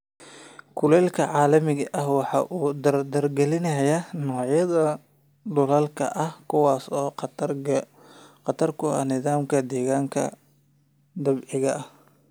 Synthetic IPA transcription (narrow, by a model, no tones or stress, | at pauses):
kʰʊlɛːlkʰɐʕɑːlɐmɪɣɐʔɐhwɑħɑ̰ːʔuːd̪ɐrd̪ɐrɡɛlɪnɐjɐnɔːʕjɐðɐ | d̪ʊlɐlkʰɐ̰ʔɐhkʰʊwɑːsɔː | qɑt̪ʰɐrkʰʊɐ̰nɪðaːmkʰɐd̪ɛːɣaːŋkʰɐ̰ | d̪ɐbʕɪɣɐʔɐh